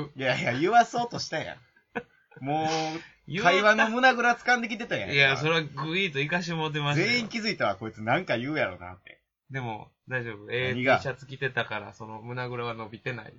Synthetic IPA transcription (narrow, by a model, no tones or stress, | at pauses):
jajajɯ̟βaso̞ːt̪o̞ɕi̥t̪ajã̰ | moː | jkaiβãnːomɯ̟naɡɯ̟ɾat͡sɨ̥kãnd̪e̞kʲit̪e̞t̪ajã̰jaso̞ɾeaɡɯiːt̪o̞ikaɕ̬imot̪̬emasze̞ːĩŋkʲizɨit̪aβako̞it͡sɨnãŋkajɯ̟ːjaɾo̞̰na̰t̪ːe̞̰ | d̪e̞mo̞̰ | d̪aiʑo̞ːbɯ̟eɲiɡaɕat͡sɨ̥kʲit̪e̞t̪akaɾa̰so̞no̞mɯ̟naɡɯ̟ɾaβano̞bʲit̪e̞na̰ḭ